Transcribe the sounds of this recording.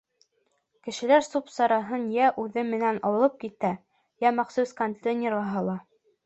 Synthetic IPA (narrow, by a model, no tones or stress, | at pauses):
kɘ̆ʃɘ̆læɾsupsɑɾɑɦɤnjæʔʉðɘmɘ̆nænɑwɤ̆lˠɤp̚kit̪æ | jæmæχsuskont̪enʲeɾɑɦɤ̆lˠɑ